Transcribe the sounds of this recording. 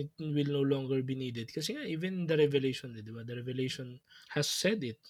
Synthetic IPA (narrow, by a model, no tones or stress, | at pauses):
ɪt̪̚wɪlnowlɔŋɡɛɹbiniːd̪ɛd̪̚kɐsɛŋaʔiːvɛnd̪ɐɾɛvɛlejʃɔnd̪ɛd̪ɪbad̪ɐɾɛvɛlejʃɔnhɐsːɛd̪ɪt̪̚